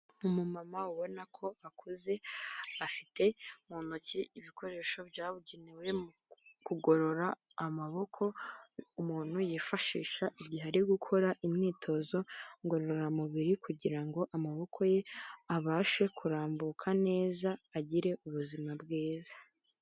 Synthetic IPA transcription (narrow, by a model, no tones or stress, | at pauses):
umumamauβo̞nakʰo̞akʰuze̞afitʰe̞umunociiβikʰo̞ɾe̞ːʃo̞bjaːβuɟeniwe̞m | kuɡo̞ɾo̞ɾaː | maβo̞kʰo̞umuːn̥hujifaʃḭːʃaʔibɟiɦaɾiɡukʰo̞ɾaʔimɲiːtʰo̞zo̞ŋɡo̞ɾoɾo̞ɾamuβiɾikʰuɟiɾaŋɡo̞ʔamaβo̞kʰo̞je̞aβaːʃwe̞kʰuɾaːmbukʰane̞ːzaːɟiɾe̞uβuzimabɡeːzḁ